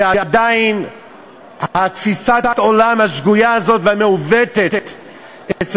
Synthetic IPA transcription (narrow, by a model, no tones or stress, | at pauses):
aad̪ain | hat̪fisaat̪o̞lamhaʃɡujaazo̞t̪vameuvet̪ett̪ | ʔet͡s